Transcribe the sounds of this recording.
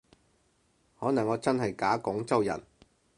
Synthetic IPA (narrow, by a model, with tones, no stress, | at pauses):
hɔː˨˥nɐ˨˩ŋːɔː˨˧˥t͡sɐ˥nɦɐ˨jkaː˨˥kʊ˨˥ŋt͡sɐ˥wjɐ̰˨˩n